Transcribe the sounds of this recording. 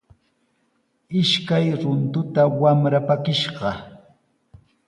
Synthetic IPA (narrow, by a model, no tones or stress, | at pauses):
ɪʃkajɾʊnt̪ʊt̪awamɾapakɪʃɢɑ